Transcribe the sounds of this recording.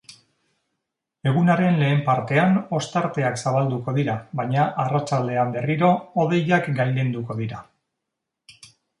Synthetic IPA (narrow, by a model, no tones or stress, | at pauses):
e̞ɣ̞unaɾe̞nle̞ːmpaɾt̪e̞ano̞st̪aɾt̪e̞aksaβald̪uko̞ðiɾaβaɲaʔarat͡ʃald̪e̞ambe̞riɾo̞ːð̞e̞jakɡajlend̪uko̞ðiɾa